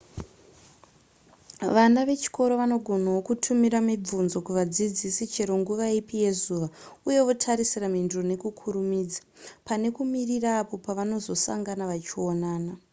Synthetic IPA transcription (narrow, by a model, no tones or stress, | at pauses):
ʋanaʋe̞t͡ʃi̥ko̞ɾo̞ʋano̞ɡʱo̞nawokutʰumiɾamib͡vunzo̞kuʋad͡zid͡zisit͡ʃe̞ɾo̞ŋɡuʋaipije̞zuʋauje̞ʋotʰaɾisiramindurone̞kukʰuɾumiːd͡zḁpane̞kumiriraːpo̞paʋano̞zo̞sa̰ŋɡanaʋat͡ʃio̞naːna